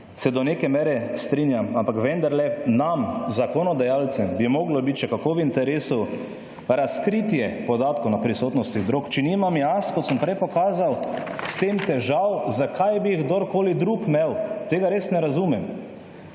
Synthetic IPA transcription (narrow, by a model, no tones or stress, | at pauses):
sɛd̪ɔnekɛmeːɾɛst̪ɾinjamampakʋɛnd̪aɾlɛnamzakɔnɔd̪ajaːlt̪sɛmbimɔːɡlɔbit̪t͡ʃɛkakoːwint̪ɛɾeːsu | ɾaskɾit̪jɛpɔd̪aːt̪kownapɾisoːt̪nɔst̪iɣd̪ɾoːkt͡ʃɛnimamjaskɔt̪səmpɾɛjpɔkaːzawst̪emt̪ɛʒawzakʰajbiiɣɡd̪oɾkoːlid̪ɾukmɛwt̪eːɡaɾesnɛɾazumɛm